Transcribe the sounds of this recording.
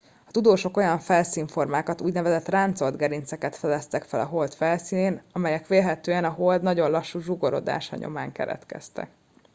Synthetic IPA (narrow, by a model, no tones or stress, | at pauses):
ɒ̥t̪ud̪oːʃo̞ko̞jɒɱfɛlsiːɱfo̞rmaːkɒt̪uːɟnɛvɛzɛt̪raːnt̪so̞ld̪ɡɛɾint̪sɛkɛt̪fɛd̪ɛst̪ɛkfɛlɒ̰ɦo̞lt̪fɛlsiːneːnɒmɛjɛkʋeːlɦɛt̪øːɛnɒɦo̞ld̪nɒɟo̞nlɒʃːuʒuɡo̞ɾo̞̰d̪a̰ːʃɒ̰ɲo̞̰maːŋkɛ̰ɾɛ̰t̪kɛ̰st̪ɛ̰k